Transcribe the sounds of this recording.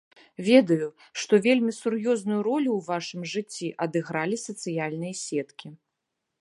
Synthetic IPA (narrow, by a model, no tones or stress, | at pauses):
vʲɛd̪ɐju | ʂt̪ɔvʲelʲmʲisurjɔznujuɾɔlʲuwvaʂɨmʐɨt͡sʲːiʔɐd̪ɨɣɾalʲisɐt̪sɨjalʲnɨjɐsʲɛt̪kʲi